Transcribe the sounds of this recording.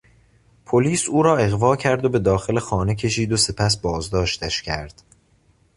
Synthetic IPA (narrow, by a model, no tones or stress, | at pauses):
pʰoliːsuːɾɒːe̞ɣvɒːcʰæɾd̪o̞be̞d̪ɒːxe̞le̞xɒːne̞cʰe̞ʃiːd̪ose̞pʰæs̬bɒːzd̪ɒːʃt̪ʰæʃcʰæɾd̪̥